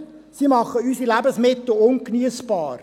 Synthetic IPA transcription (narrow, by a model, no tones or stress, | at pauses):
simɑχəysilæbəsmɪt̪l̩ʊnknyəsbɑːr